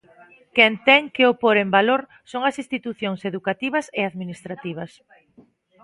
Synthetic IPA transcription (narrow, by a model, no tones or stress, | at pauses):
kɛnt̪ɛŋkeopoɾembaloɾ | soŋɐsist̪it̪uθjoŋseðukat̪iβ̞ɐseaðminist̪ɾat̪iβ̞ɐs